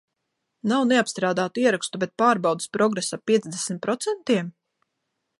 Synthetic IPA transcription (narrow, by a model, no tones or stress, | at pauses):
nawneapst̪ɾaːd̪aːt̪uiɛɾakst̪ubet̪̚paːɾbawd̪ɨ̥spɾɔɡɾesapːiɛd̪zd̪esmʲt̪̚pɾɔt̪sɛnt̪iɛm